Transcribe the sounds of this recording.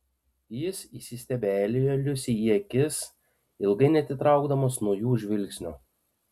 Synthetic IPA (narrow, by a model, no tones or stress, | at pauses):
jɪsisʲisʲt̪ʲɛbʲæːlʲɪjolʲʊsʲiiɛkʲɪs | ɪlˠɡɐɪnʲɛt̪ʲɪt̪ɾɑˑʊɡd̪ɐmoːsnuɔjuːʒʲʋʲɪlʲksʲnʲu